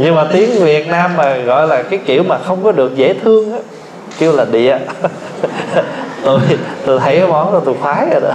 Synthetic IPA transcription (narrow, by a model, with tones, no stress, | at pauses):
ɲɨ˧maː˨˩t̪i˨˦əŋvi˨˩ət̚naː˧mːaː˨˩ɣɔ̰˧˨jlaː˨˩kaː˨˦jkḭ˧˨əwmaː˨˩xə˧wŋ͡mkɔ˨˦ɗɨ˨˩ək̚zḛ˧˥t̪ʰɨ˧əŋʔaː˨˦ | ki˧əwlaː˨˩ɗḭ˧˨ə | t̪u˧˩jt̪o˧˩jt̪ʰə˨˦jka˨˦mɔ˨˦nzɔ˧˩t̪u˧˩jxwaː˨˦ə˧˩ɗ